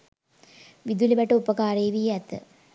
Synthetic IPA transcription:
ʋid̪uliʋɛʈəupɐkaːɾeːʋijɛt̪ə

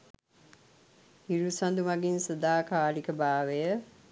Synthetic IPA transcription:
hiɾusand̪umaɡinsəd̪aːkaːlikəbaːʋejə

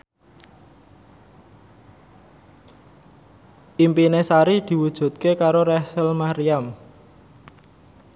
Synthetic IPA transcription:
ʔimpinesaɾid̪̥i̤wud̥ʒ̥ṳt̪̚kekaɾoɾɛsəlmaɾiam

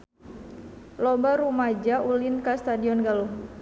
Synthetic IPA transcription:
lɔbaɾumad͡ʒaʔulɪnkast̪adiɔnɡaluh

